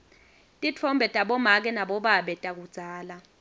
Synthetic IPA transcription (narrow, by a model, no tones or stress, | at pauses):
tʼit͡fʰɔmbʱɛtʼaɓɔmak̬ɛnaɓɔɓaɓɛtʼak̬ud̥z̥ʱaːla